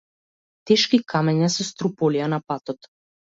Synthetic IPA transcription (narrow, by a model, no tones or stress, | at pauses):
t̪ɛʃkikʰamɛɲasɔst̪ɾupɔlijanapat̪ɔt̪